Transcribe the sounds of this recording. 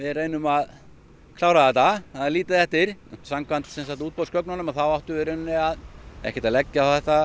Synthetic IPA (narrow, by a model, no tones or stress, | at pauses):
vɪðrejnʏmað | kʰlaːwɾaðɛt̪ːaaðaliːt̪aðθɛht̪ɪɾ̥samkʰvant̪sɛnsat̪uːt̪̚pow̪skʰvœknanʏmaθawaht̪ʏvɪɾɪnnːɪaðɛ̰hcɛɾt̪aðlɛcːaawθɛht̪a